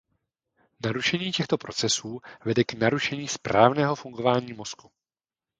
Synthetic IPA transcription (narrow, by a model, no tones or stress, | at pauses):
naɾuʃɛɲiːcɛxt̪o̞pɾo̞t͡sɛsuːvɛdɛknaɾuʃɛɲiːspɾaːvnɛːɦo̞fuŋɡo̞vaːɲiːmo̞sku